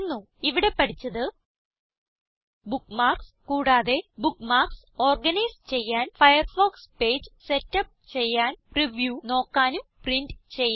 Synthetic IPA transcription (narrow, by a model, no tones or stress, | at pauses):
nːu | iʋiɽe̞pːɐʈʰit͡ɕːɐðɨ | bukːmaːrkskuːɽaːðe̞bukːmaːrkso̞ːrɡɐnɐjst͡ɕe̞jːaːnfɐjɐrfo̞ːkspe̞ːd͡ʑɨse̞tːɐp̚t͡ɕe̞jːaːnpriʋjuːno̞ːkːaːnumpriɳɖɨt͡ɕe̞jː